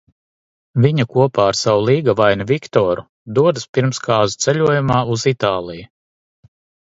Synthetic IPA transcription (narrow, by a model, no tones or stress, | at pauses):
viɲɐkuɔpaːɾsawalˠiːɡavajnɐvʲikt̪ɔːɾu | d̪uɔd̪ɨspiɾmskaːzut̪sɛʎʲuɔjumaːuzit̪aːlˠiju